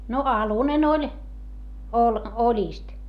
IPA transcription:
no ɑlunen olʲ ol olʲiˑst

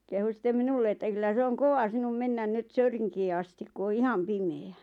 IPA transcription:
kehu sĭtˑem minulːe etːæ kylːæ se oŋ koʋɑ sinum menːæn nyt søyriŋkiː ɑstik ku o ihɑm pimeæ

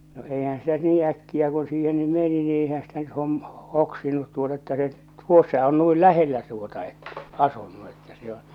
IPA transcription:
no eihæn̞ sitæ nyt niː ækːiæ ku siːhen ny meni ni eihæn stæ nyt hom hoksinut tuotɑ etːæ se tuosːɑ on nuil læhelːæ tuotɑ etːæ̥ ɑsunːu etːæ se õː

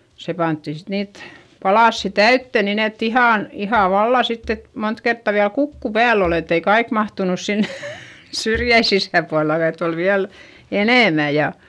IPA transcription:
se pɑntːi sit niːt pɑlɑˑsːi tæytːø nin et ihɑˑn ihɑˑ ʋɑlːɑ sitː et mont kertːɑ ʋiæl kukːu pæːl ol et ei kɑik mɑhtunus sin syrjæi sisæˑpuɑlːɑ etː ol ʋiæl eneˑmæ jɑ

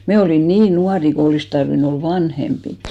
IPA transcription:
me oliˑn niːn nuɑri ko olis tɑrʋin ol ʋɑnhempit

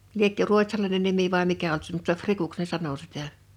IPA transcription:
liekːø ruotʲsɑlɑinen nimi ʋɑˑi mikæ olt se mutːɑ frikuks ne sɑno sitˑæ

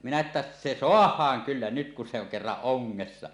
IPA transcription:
minæ etːæ se soɑhˑɑːŋ kylːæ nyt kun se oŋ kerːɑʔ ʔoŋːesːɑ

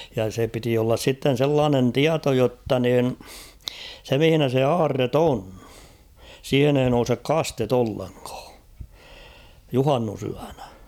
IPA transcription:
jɑ se piti olːɑs sitːen̞ selːɑːnen tiɑto jotːɑ niˑn se mĭhinæ se ɑːrːet on siːhen ei nousek kɑstet olːeŋkɑ̥ː juhɑnːusyæn̥æ̥

